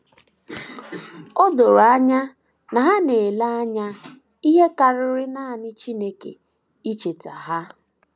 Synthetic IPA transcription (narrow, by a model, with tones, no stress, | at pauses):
o˦do˨ɾa˦ɲa˦ | na˨ɦa˦ne˨la˦a˦ɲa˦ | i˦ɦe˦ka˨ɾʊ˦ɾɪ˦na˦a˨nɪ˦t͡ʃi˦ne˦kḛ˨ | i˦t͡ʃe˨ta˨ɦa˦